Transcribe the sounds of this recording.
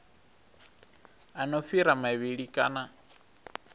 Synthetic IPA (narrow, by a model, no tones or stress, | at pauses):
anɔfiɾamaβiɺikʼa̰na